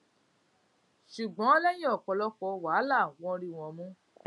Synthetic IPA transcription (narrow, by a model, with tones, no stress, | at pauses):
ʃu˨ɡ͡bɔ̃˨˦ɔ˦lɛ˦j̃ĩ˦ɔ˦˨kɔ˧lɔ˦kɔ˧wa˨˦la˦˨wɔ̃˧˦˧ɾi˦w̃ɔ̃˧mũ˦